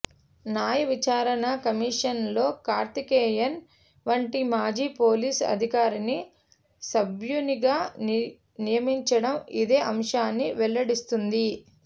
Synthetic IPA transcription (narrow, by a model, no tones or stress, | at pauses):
naːjɐʋit͡ʃaːɾɐnɐkɐmiːʂɐnlo̞ːkaːɾt̪ikeːjɐn | ʋɐɳʈimaːd͡ʒiːpo̞ːliːsɐ̰d̪ʱikaːɾini | sɐbjuniɡaː | nijɐmiɲt͡ʃɐɽɐmid̪e̞ːʔɐmʂaːnːiʋɛlːɐɽist̪und̪i